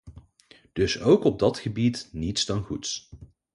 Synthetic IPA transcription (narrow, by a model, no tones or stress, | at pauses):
d̥ɵsowkɔb̚dɑtχəbitnitsdɑnχuts